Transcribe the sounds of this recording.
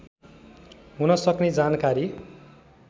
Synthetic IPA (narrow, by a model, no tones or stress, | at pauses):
ɦunʌsʌkned͡zankaɾi